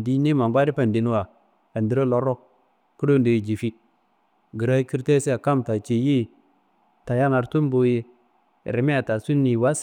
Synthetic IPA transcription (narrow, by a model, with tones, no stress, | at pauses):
di˦ni˦ma˨ba˦ɾi˦pa˨ndi˨˦n˦wa˨ | a˨ndi˨ɾa˦lo˦ɾo˦ | ku˦ɾo˦nde˨i˨d͡ʒi˨fi˦ | ɡi˨ɾa˦i˦ki˦ɾte˦si˦a˨ka˦mta˨t͡ʃe˨ji˦ | ta˨ja˦na˨ɾtu˦mbo˨je˦˨ | ɾi˨me˦a˨ta˨su˦nːi˨wa˦s